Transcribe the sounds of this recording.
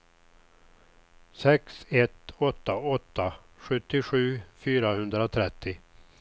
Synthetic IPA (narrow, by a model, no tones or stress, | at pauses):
sɛksɛt̪ɔt̪ːaɔt̪ːa | ɧɵt̪ːɪɧʉ̟ːfyːɾahɵnd̪ɾaɔt̪ʰɾɛt̪ʰːɪ